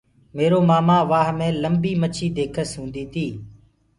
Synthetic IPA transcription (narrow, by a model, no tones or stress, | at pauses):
meːɾoːmaːmaːʋaːɦmẽːləmbiːmət͡ʃʰiːd̪eːkʰəsɦũːnd̪iːt̪ʰiː